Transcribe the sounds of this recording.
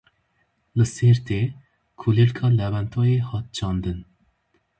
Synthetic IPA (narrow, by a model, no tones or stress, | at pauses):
lɨseːɾt̪ʰeː | kʰulelkʰɑːlɛvɛnt̪ʰoːjeːhɑːt̪̚t͡ʃʰɑːnd̪ɨn